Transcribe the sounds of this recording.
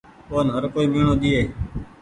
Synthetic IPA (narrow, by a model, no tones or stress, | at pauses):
koːnɦəɾkoːiːmeːɳoːɗ̪iːeː